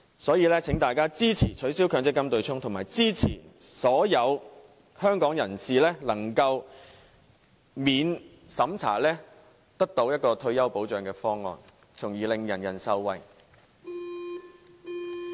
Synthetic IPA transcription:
sɔː˨˥jiː˨˧lɛː˥t͡sʰɪ˨˥ŋt̪aː˨jkaː˥t͡siː˥t͡sʰiː˨˩t͡ʃʰɵ˨˥ɥsiː˥wkʰœː˨˧ŋt͡sɪ˥kːɐ˥mt̪ɵ˧ɥt͡sʰʊ˥ŋt̪ʰʊ˨˩maː˨˩jt͡siː˥t͡sʰḭː˨˩sɔː˨˥jɐ˨˧w | hœː˥ŋkɔː˨˥ŋjɐ˨˩nsiː˨lɛː˥lɐ˨˩ŋkɐ˧w | miː˨˧n | sɐ˨˥mt͡sʰa̰ː˨˩lɛː˥ | t̪ɐ˥k̚t̪o˨˥wjɐ˥t̚kɔː˧t̪ʰɵ˧ɥjɐ˥wpo˨˥wt͡ʃœː˨˧ŋkɛː˧fɔː˥ŋːɔ̰ː˨˧n | t͡sʰʊ˨˩ŋjiː˨˩lɪ˨ŋjɐ˨˩njɐ̰˨˩nsɐ˧wwɐ˨˧j

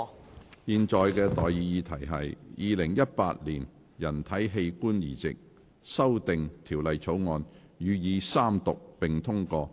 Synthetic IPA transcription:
jiː˨nt͡ʃɔː˨jkɛː˧t̪ɔː˨jjiː˨˧jiː˨˧t̪ʰɐ˨˩jɦɐ̰˨jjiː˨˧lɪ˨˩ŋjɐ˥t̚paː˧t̚liː˨˩n | jɐ˨˩nt̪ʰɐ˨˥jɦe˧jkuː˥njiː˨˩t͡sɪ̰˨k̚ | sɐ˥wt̪ɪ˨ŋt̪ʰiː˨˩wlɐ˨jt͡sʰo˨˥wŋɔː˧n | jyː˨˧jiː˨˧saː˥mt̪ʊ˨k̚pɪ˨ŋt̪ʰʊ˥ŋkɔː˧

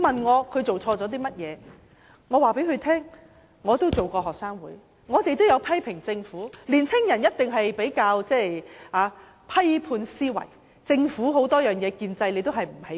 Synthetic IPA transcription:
mɐ˨˩nŋɔː˨˧kʰɵ˨˧t͡so˨wt͡sʰɔː˧t͡sɔː˨˥t̪̬iː˥mɐ˥t̚jɛː˨˧ | ŋɔː˨˧waː˨pe˨˥jkʰɵ˨˧ɥt̪ʰɛː˥ŋː | ɔː˨˧t̪o˥wt͡so˨wkɔː˧ɦɔː˨k̚saː˥ŋwuː˨˥j | ŋɔː˨˧t̪e˨jt̪o˥wjɐ˨˧wpʰɐ˥jpʰɪ˨˩ŋt͡sɪ˧ŋfuː˨˥liː˨˩nt͡sʰɪ˥ŋjɐ˨˩njɐ˥t̚t̪ɪ˨˩ŋɦɐ˨jpe˨˥jkaː˧wt͡sɛː˥˩aː˨˧ | pʰɐ˥jpʰuː˧nsiː˥wɐ̰˨˩j | t͡sɪ˧ŋfuː˨˥ɦo˨˥wt̪ɔː˥jœː˨˩ŋjɛː˨˧kiː˧nt͡sɐ˧jle˨˧jt̪̬o˥ɦɐ˨jm̩˨˩he˨˦˥

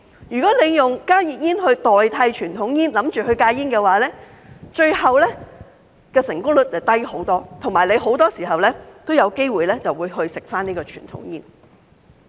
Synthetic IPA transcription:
jyː˨˩kɔː˨˥le˨˧jjʊ˨ŋkaː˥ji˨˧t̚jiː˥nhɵ˧t̪ɔː˨jt̪ʰɐ˧jt͡ʃʰyː˨˩nt̪ʰʊ˨˥ŋjiː˥nlɐ˨˥mt͡ʃyː˨hɵ˧ɥkaː˧ji˥nkɛː˧waː˨˦lɛː˥ | t͡ʃɵ˧ɥhɐ˨wlɛː˥ | kɛː˧sɪ˨˩ŋkʊ˥ŋlɵ˨˥t̚t͡sɐ˨˩t̪ɐ˥jho˨˥wt̪ɔː˥t̪ʰʊ˨˩ŋmaː˨˩le˨˧jɦo˨˥wt̪ɔː˥siː˨˩hɐ˨wlɛː˥t̪o˥wjɐ˨˧wke˥jwuː˨jlɛː˥t͡sɐ˨wuː˨˧jɦɵ˧ɥsɪ˨k̚faː˥niː˥kɔː˧t͡ʃʰy̰ː˨˩nt̪ʰʊ̰˨˥ŋjiː˥n

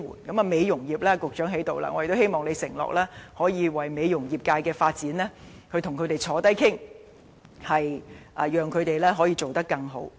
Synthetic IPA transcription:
wṵ˨˩nkɐ˨˥mɐː˧me˨˧jjʊ˨˩ŋjiː˨˩p̚lɛː˥kʊ˨k̚t͡ʃœː˨˥ŋɦe˨˥jt̪o˨wla̰ː˧ŋɔː˧j̚t̪o˥he˥jmɔː˨˩ŋne˨˧jsɪ˨˩ŋlɔ̰ː˨k̚lɛː˥hɔː˨˥jiː˨˧wɐ˨˩jme˨˧jjʊ˨˩ŋjiː˨˩p̚kaː˧jkɛː˧faː˧t̚t͡siː˨˥nlɛː˥ | kʰɵ˧jt̪ʰʊ˨˩ŋkʰɵ˨˧ɥt̪e˨jt͡sʰɔː˨˥t̪ɐ˥jkʰɪ˥ŋ | hɐ˨jʔɐ˨jœː˨ŋkʰɵ˨˧ɥt̪e˨jlɛː˥ɦɔː˨˥jiː˧t͡ʃo˨wt̪ɐ˥kːɐ˧ŋɦo˨˥w

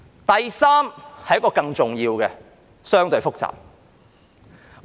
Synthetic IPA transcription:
t̪ɐ˨jsaː˥mhɐ˨˩jɐ˥kɔː˧kɐ˧ŋt͡sʊ˨ŋjiː˧wkɛ˧ | sœː˥ŋt̪ɵ˧ɥfʊ˥k̚t͡sa̰ː˨p̚

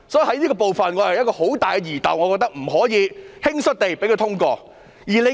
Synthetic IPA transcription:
sɔː˨˥jhɐ˨˥jniː˥kɔː˧p̬o˨wfɐ˨nŋɔː˨˧jjɐ˥kɔː˧ho˨˥wt̪aː˨jkɛ˧jiː˨˩t̪ɐ̰˨wŋɔː˨˧kɔː˧k̚t̪ɐ˥k̚m̩˨˩ɦɔː˨˥jiː˨˧hɪ˥ŋsɵ˥t̚t̪e˨jpe˨˥jkʰɵ˧t̪ʰʊ˥ŋkɔː˧ | jiː˨˩le˨˧

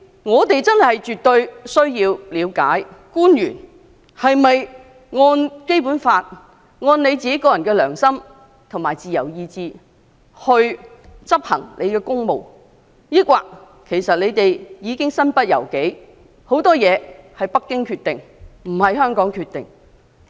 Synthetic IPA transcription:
ŋɔː˨˧t̪e˨jt͡sɐ˥nhɐ˨jt͡ʃyː˨t̪ɵ˧ɥsɵ˥ɥjiː˧wliː˨˧wka̰ː˨˥jkuː˥njyː˨˩n | hɐ˨jmɐ˨j | ŋɔː˧nke˥jpuː˨˥nfaː˧t̚ | ŋɔː˧nle˨˧jt͡siː˨ke˨˥kɔː˧jɐ˨˩nkɛː˧lœ̰ː˨˩ŋsɐ˥m | t̪ʰʊ˨˩ŋmaː˨˩jt͡siː˨jɐ˨˩wjiː˧t͡siː˨˧ | hɵ˧ɥt͡sɐ˥p̚hɐ̰˨˩ŋlʔḛ˨˧jkɛː˧kʊ˥ŋmo˨˩w | jiː˥kʷaː˧k̚ | kʰe˨˩jsɐ˨t̚le˨˧jt̪e˨jjiː˨˧kɪ˥ŋsɐ˥npɐ˥t̚jɐ̰˨˩wke˨˥j | ho˨˥wt̪ɔː˥jɛː˨˧hɐ˨jpɐ˥kːɪ˥ŋkʰyː˧t̪̚ɪ˨ŋm̩˨˩hɐ˨jhœː˥ŋkɔː˨˥ŋkʰyː˧t̪̚ɪ˨ŋ

